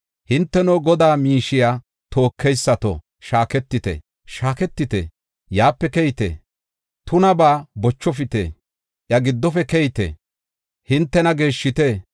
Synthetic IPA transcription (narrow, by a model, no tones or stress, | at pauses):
hɪnt̪ːɛnoɡɔd̪aːmiːʃɪjaː | t̪o̞ːkːɛjsːɐt̪ɔ̰ | ʃaːkɛt̪ːɪt̪ɛ̰ | ʃaːkɛt̪ːɪt̪ḛ | jaːpːɛkɛjɪt̪ḛː | t̪ʊnɐbaːbɔt͡ʃːɔfɪt̪ḛː | ʔjɐɡɪd̪ːɔfɛkɛjɪt̪ḛ | hɪnt̪ːɛnɐɡe̞ːʃːɪt̪e